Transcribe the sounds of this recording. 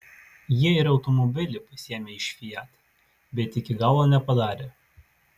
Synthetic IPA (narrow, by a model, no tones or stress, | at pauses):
jiɛɪɾɒʊt̪ɔmɔbʲɪlʲɪpɐsʲiɛmʲeːɪʃʲfʲijæt̪ | bʲɛt̪ɪkʲɪɡɑˑlˠʋoːnʲɛpɐd̪ɑːɾʲeː